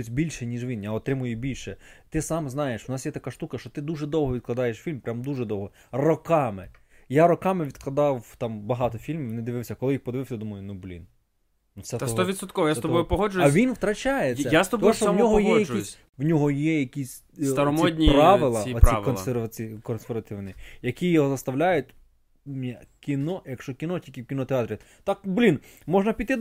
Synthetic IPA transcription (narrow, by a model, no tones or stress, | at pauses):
ʊtʲbʲilʲʃɛnʲiʒʋʲinjaɔt̪ɾɪmʊjʊbʲilʲʃɛt̪ɪsɑmznɑjeʃwʊnɑsjɛt̪ɐkɑʃt̪ukɐʃt͡ʃɔt̪ɪd̪uʒɛd̪ɔwɦɔʋʲid̪̚klˠɐd̪ɑjeʃfʲilʲmpɾʲamd̪uʒɛd̪ɔwɦɔ | rɔkɑmɪ | jaɾɔkɑmɪʋʲid̪̚klˠɐd̪ɑwt̪ɑmbɐɦɑt̪ɔfʲilʲmʲiʋnɪd̪ɪʋɪwsʲɐkɔlˠɪjixpɔd̪ɪʋɪwsʲɐd̪umɐjʊnublʲḭn | nufsɛt̪st̪ɔʋʲid̪t̪sɔt̪kɔʋɔjast̪ɔbɔjʊpɔɦɔd͡ʒʊjɐʋʲinwt̪ɾɐt͡ʃajeːɐast̪ɔb̪ɔɔʃɔwnʲɔɦɔjɛjɐisʲ | wnʲɔɦɔjɛjɐkʲisʲ | st̪ɐɾɔmɔdʲnʲipɾɑʋɪlˠɐɔɾikɔnˠsɛrʋɐt͡sikɔnsɛrʋɐt̪ɪwnijɐkʲijɔɦɔzɐst̪ɐwlʲajʊtʲ | mnʲɛkʲinɔjɐkʃt͡ʃɔkʲinɔtʲilʲkʲɪwkʲinɔt̪eɑt̪ɾʲi | t̪ɑk̚blʲinmɔʒnɐpʲit̪ɪ